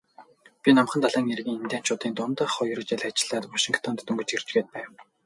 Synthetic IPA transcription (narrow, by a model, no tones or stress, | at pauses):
pʲinam̆χə̆nt̪aɮaːŋerɣiːŋent̪ʲæːn̥t͡ɕʰʊːt̪iːnt̪ʊnt̪ə̆χɔj̆r̆t͡ɕeɮat͡ɕɪ̆ɮaːt̪maʃiŋkʰt̪ʰɔnt̪ːɵŋɡɵ̆t͡ɕer̥t͡ɕɡeːt̪̚pæːw